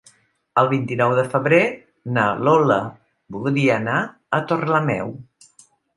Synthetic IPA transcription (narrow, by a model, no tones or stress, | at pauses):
əlˠβint̪inɔwðəfəβɾe | nəlɔlə | bulˠd̪iəna | ət̪orləmɛ̰w